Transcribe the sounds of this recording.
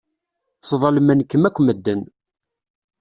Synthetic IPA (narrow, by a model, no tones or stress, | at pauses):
sˤðˤɑlmænkːəmækʷːməd̪ːən